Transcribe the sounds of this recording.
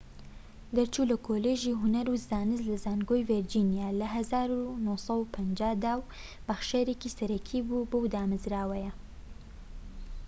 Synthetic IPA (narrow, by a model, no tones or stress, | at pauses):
d̪ɐɾt͡ʃʰuːlɐkʰoːleːʒiːɦʊnɐɾuzaːnɨzlɐzaːnɡojveɾd͡ʒiːnijaːlɐɦɐzaːɾunusɐwupʰɐnd͡ʒaːd̪aːw | bɐxʃeɾekiːsɐɾɐkʰiːbubɨwd̪aːmɨzɾaːwɐjɐ